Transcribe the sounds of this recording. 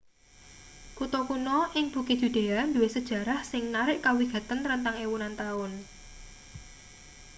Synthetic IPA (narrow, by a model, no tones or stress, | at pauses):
kut̪ɔkunɔʔɪŋb̥ṳki̥d̪̥ṳd̪̥e̤and̪uwɪsəd̥ʒ̥ä̤ɾahsɪŋnaɾɪʔkawiɡ̥ä̤t̪anɾənt̪aŋewunant̪aʊn